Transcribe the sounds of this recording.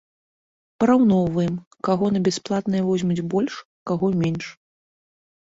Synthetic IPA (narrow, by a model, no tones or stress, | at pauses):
pɐɾawnɔvɨm | kaɣɔnɐbʲasplˠat̪nɐjɛvɔzʲmud͡zʲbɔlʲʂ | kaɣɔmʲenʂ